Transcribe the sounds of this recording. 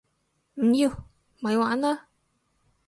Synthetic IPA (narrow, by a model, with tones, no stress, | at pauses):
m̩˨˩jiː˧w | mɐ˨˧jwaː˨˧˥naː˧